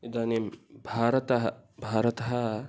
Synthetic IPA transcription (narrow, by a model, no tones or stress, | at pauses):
id̪anembʱaːɾɐt̪ɐɦɐbʱaːɾɐt̪ɐɦɐ